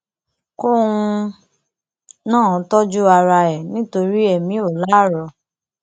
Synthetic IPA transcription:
ko˦ũ˧ | nãː˦˨˦tɔ˦d͡ʒu˦a˧ɾa˧ɛ˨nĩ˦to˧ɾi˦ɛ˦˨mĩ˨˦o˦˨la˦˨ɾɔ˧

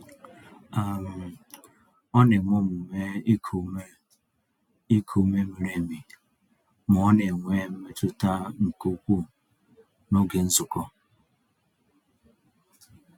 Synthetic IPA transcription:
a˨ɾʊ˨ | ɔ˦ne˨ŋʷʊ˦mʊ˨me˦kʰu˨m˦ | i˦kʰu˨me˦mi˨ɾe˨mi˨ | m˨ɔ˦ne˨ŋʷe˦m̩˦me˦tʊ˦ta˦ŋ̩˨ko˦kʷu˦ | no˦ɡe˨n̩˦zʊ˨kɔ˦

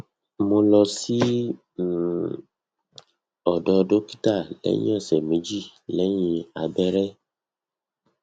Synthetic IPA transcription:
mo˧lɔ˧si˦˨ | ɔ˨dɔ˧do˦ki̥˦ta˦˨lɛ̰˨˦ɲ̰̃˦ɛ̃˦˨sɛ˨mẽ˨˦d͡ʒi˦˨lɛ˨˦j̃ĩ˧a˨bɛ˦ɾɛ˦

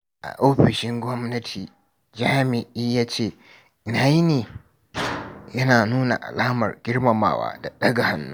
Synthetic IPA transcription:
ʔa̰˨ʔoː˦ɸɪ˨ʃɪ˦ŋɡʷɔ˦mnɐ˦tʰiː˨ | d͡ʒaː˦mɪ˨ʔiː˦jaː˦t͡ʃeː˦˨ | ɪ˨na˨ji˦neː˨ | jɐ˦naː˨nuː˦na̰˨ʔa̰˨laː˦mɐ̰˨rɡʲɪ˦ɽmɐ˨ma̰ː˨wa̰ː˦da˨ɗɐ˦ɡa˨ha˨nːṵ˦

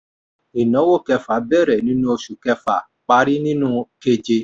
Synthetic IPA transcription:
i˨nɔ̃˨˦wo˦˨kɛ˧fa˨˦bɛ˦˨ɾɛ˨nĩ˦nũ˦o˧ʃu˨kɛ˧fa˨ | k͡pa˧˦ɾi˦nĩ˦nũ˦ke˧d͡ʒe˧

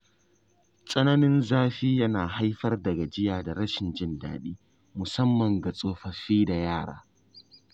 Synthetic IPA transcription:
sʼɐ˦nɐ˦nɪ˦nzaː˦ɸiː˦jɐ˦naː˨ɦa˦jɸɐ˦rdɐ˨ɡa˨d͡ʒɪ˦jaː˨da˨ɽɐ˦ʃɪ˨nd͡ʒɪ˦nda̰ː˨ɗiː˦ | mʊ˨sɐ˦mːɐ˨ŋɡa˨sʼoː˦ɸɐ˨ɸiː˦da˨jaː˦˨ɽa̰ː˦

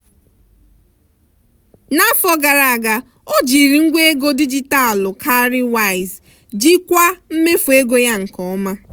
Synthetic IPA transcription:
na˦fɔ˦ɡa˨ɾa˨a˨ɡa˨ | o˦d͡ʒi˨ɾi˨ŋ̩˦ɡʷe˦e˦ɡo˦di˦d͡ʒi˦ta˦˨lʊ˨kʰa˦ɾɪ˦wa˦˨ɪ˨z | d͡ʒi˦kʷa˦m̩˦me˦fu˨e˦ɡo˦ja˦ŋ̩˨kɔ˨ɔ˦ma˦

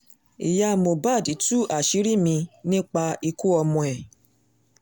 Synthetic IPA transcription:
ḭ˨ja˧˨mo˨ba˦˨di˨˦tu˦a˨ʃi˦ɾi˦mĩ˧nĩ˦k͡pa˧i˧ku˦ɔ˧mɔ̃˧ɛ˨

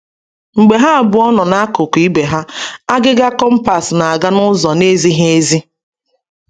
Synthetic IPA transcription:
ŋ͡m̩˨ɡ͡be˨ɦa˦a˨bʊ˨˦ɔ˦nɔ˨na˦kʊ˨ki˦be˨ɦa˦a˦ɡɪ˦ɡa˦kɔ˦m̩˦pa˨sna˨a˨ɡa˦nʊ˦zɔ˨ne˦zi˦ɦe˦e˦zi˦

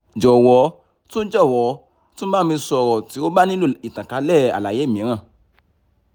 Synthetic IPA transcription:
d͡ʒɔ˨wɔ˨˦ | tũ˦d͡ʒɔ˦˨wɔ˨˦ | tũ˦mã˦mĩ˧sɔ˧˨ɾɔ˨ti˨˦o˦ba˦nĩ˦u˦˨i˨tã˨ka˨˧˦lɛ˦˨a̰˨la˨je˨˦˨mĩ˨˦ɾ̃ã˦˨

